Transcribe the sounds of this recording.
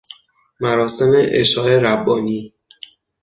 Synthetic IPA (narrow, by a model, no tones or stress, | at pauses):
mæɾɒːse̞meʔḛʃɒːe̞ɾæbːɒːniː